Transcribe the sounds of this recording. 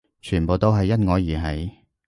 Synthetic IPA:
t͡ʃʰyː˨˩npo˨wt̪o˥wɦɐ˨jːɐ˥t̚ŋɔː˨˧jiː˨˩ɦɐ˨˥j

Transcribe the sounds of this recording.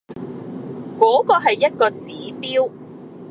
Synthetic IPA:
kɔː˨˥kɔː˧ɦɐ˨jːɐ˥t̚kɔː˧t͡siː˨˥piː˥w

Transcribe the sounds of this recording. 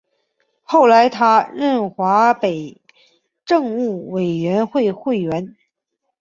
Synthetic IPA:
xo˥˩ʊla˧˥ɪt̪ʰa˥ɻə˥˩nxwa˧˥pe˨˩ɪ | ʈ͡ʂɤ˥˧ŋu˥˩we˨˩ɪɥɛ˧˥nxwe˥˧ɪxwe˥˩ɪɥɛ˧˥n

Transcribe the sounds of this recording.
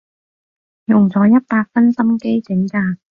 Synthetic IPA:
jʊ˨˩ŋt͡sɔː˨˥jɐ˥t̚paː˧t̚fɐ˥nsɐ˥mke˥jt͡sɪ˨˥˦ŋt͡saː˨˩k̚

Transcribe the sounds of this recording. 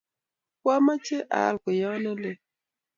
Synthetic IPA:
kwa˦ma˦t͡ʃe˦ʔa̰˨˦˨lko˨jɔ˦nɔ˦le˦˨

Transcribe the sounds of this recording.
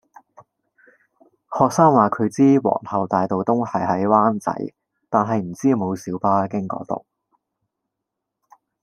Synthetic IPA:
hɔː˨k̚saː˥ŋwaː˨kʰɵ˨˧ɥt͡siː˥wɔ̰ː˨˩ŋhɐ˨˩wt̪aː˨jt̪o˨wt̪ʊ˥ŋhɐ˨jɦɐ˨˥jwaː˥nt͡sɐ̰˨˥j | t̪aː˨nɦɐ˨jm̩˨˩t͡siː˥mo˨˧wsiː˨˥wpaː˥kɪ˥ŋkɔ̰ː˨˥t̪o̰˨˩w

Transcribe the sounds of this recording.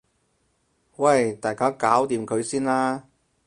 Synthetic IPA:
wɐ˥˨jt̪aː˨˩jkaː˥kaː˨˥wt̪iː˨mkʰɵ˨˧ɥsiː˥nlaː˥

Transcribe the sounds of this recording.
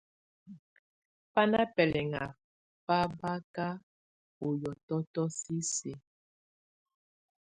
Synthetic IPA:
pa˦na˦pɛ˨lɛ˨ŋa̰˨ | pa˦ba˦ka˦ | o˨jɔ˨tɔ˦tɔ˦si˦se˨

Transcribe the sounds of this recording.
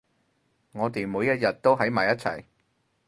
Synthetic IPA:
ŋɔː˨˧t̪e˨jmuː˨˧jːɐ˥t̚jɐ˨t̚t̪o˥wɦɐ˨˥jmaː˨˩jɐ˥t̚t͡sʰɐ̰˨˩j

